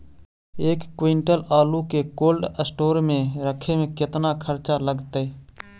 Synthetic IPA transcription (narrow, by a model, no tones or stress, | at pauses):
eːkːwiɳʈəlaːlukekoːlɖəsʈoːɾmẽɾəkʰemẽkɪt̪nakʰəɾt͡ʃaləɡt̪e